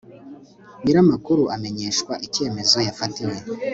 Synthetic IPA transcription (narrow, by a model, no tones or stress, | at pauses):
ɲiɾamakuɾuʔame̞ɲe̞ːʃkwaʔice̞ːme̞zo̞jafatiwe̞